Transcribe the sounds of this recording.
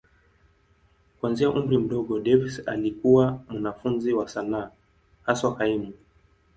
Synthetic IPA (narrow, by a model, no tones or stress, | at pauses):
kwanziaʔumbɾim̩ɗɔɠɔɗɛvisa̰likuwamanafunziwasanaː | hasɔhaimu